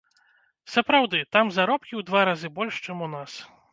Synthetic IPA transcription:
sɐpɾawd̪ɨt̪amzaɾɔpkʲiwd̪vaɾazɨbɔlʲʂt͡ʂɛmunas

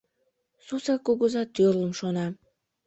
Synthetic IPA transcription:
susɑkuɣəzɑt̪ørləmʃonɑ

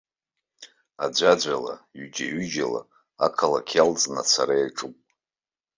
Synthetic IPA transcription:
ad͡ʒʷad͡ʒʷala̰ɥd͡ʒʲaɥʏd͡ʒala̰ | akʰalakʲʰalt͡sʼnat͡sʰaɾajaʈ͡ʂʼupʼ

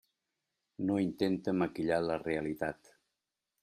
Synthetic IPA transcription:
noint̪ent̪əməkiʎaləreəlit̪at̪

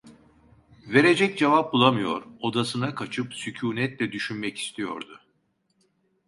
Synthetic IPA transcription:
ve̞ɾe̞d͡ʒɛc̚d͡ʒevap̚bulˠamɯjo̞̰ɾo̞d̪asɯnakʰat͡ʃʰɯpsycʰuːnɛt̪lʲɛd̪yʃynmɛci̥st̪ʰijo̞̰ɾd̪ʊ

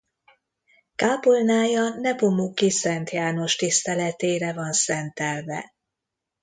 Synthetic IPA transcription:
kaːpolnaːjɒnɛpomukisɛnt̪jaːno̞ʃt̪ist̪ɛlɛt̪eːɾɛvɒnsɛnt̪ɛlvɛ̰

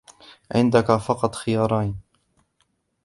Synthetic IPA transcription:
ʕɪ̰nd̪akafɑqɑt̪ˤxɪjɑːɾˤɑjn

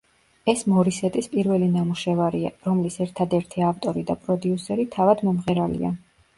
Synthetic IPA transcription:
ɛsmɔɾisɛt̪ʼispʼiɾvɛlinamuʃɛvaɾia̰ɾɔmlisɛɾt̪ʰad̪ɛɾt̪ʰiaft̪ʼɔɾid̪apʼɾɔd̪iusɛɾit̪ʰavad̪mɔmʁɛɾalḭa̰

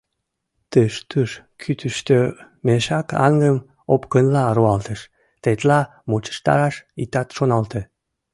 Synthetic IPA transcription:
t̪əʃt̪əʃ | kʰyt̪əʃt̪ø | meʃɑkɑ̰ŋɡəm | opkənlɑɾuɑlt̪əʃ | t̪et̪lɑ | mot͡ɕə̥ʃt̪ɑ̰ɾɑʃit̪ɑt̪ʃonɑlt̪e

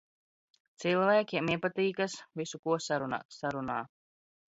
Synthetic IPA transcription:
t̪silˠvæːkʲiɛmiɛpat̪iːkasvisukuɔsaɾuna̰saɾunaː

